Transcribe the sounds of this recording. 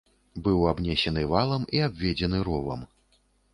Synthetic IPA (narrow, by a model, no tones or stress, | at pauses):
bɨwabnʲɛsʲɛnɨvalˠɐmiabʲvʲɛd͡zʲɛnɨɾɔvɐ̰m